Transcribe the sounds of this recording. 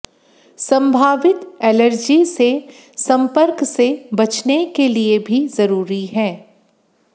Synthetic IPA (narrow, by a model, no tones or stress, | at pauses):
sɐ̃mbʱaːʋɪt̪ɛːləɾd͡ʒise | sɐ̃mpəɾksebɐt͡ʃnekeliebʱizɐɾuːɾiɦɛː